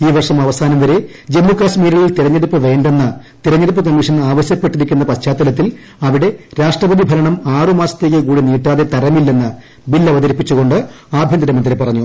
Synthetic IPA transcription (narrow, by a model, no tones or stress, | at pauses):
iːʋɐrʂɐmɐʋɐsaːnɐmʋɐɾe | d͡ʑe̞mːukaːɕmiːɾɐɭilt̪iɾɐɲːeɽupːɨʋe̞ːɳɖenːɐt̪iɾɐɲːeɽupːɐkɐmːiʂɐnaːʋɐɕjɐpːe̞ʈːiɾikʲːunːɐpɐɕt͡ɕaːt̪ːɐlɐt̪̬ːil | ɐʋiɽe̞ɾaːʂʈrɐbɐd̪ibʱɐlɐɳɐmaːrɨmaːsɐ̥t̪ːe̞ːk̬ːɨkuːɽiniːʈːaːðet̪ɐɾɐmilːenːɐ | bilːɐʋɐðɐɾipːit͡ɕːuɣo̞ɳɖɨ | aːbʱjɐnd̪ɾɐmɐnd̪ɾepːɐrɐɲːu